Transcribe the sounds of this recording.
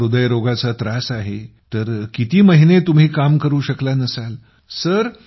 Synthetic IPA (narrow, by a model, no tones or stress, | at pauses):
ɾud̪əjɾoɡat͡sat̪ɾasaɦet̪əɾkit̪iːməɦinet̪um̤iːkamkəɾuːɕəklanəsal | səɾ